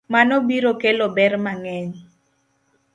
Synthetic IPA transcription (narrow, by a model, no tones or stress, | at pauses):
manɔbiɾokelɔbɛɾmaŋɛɲ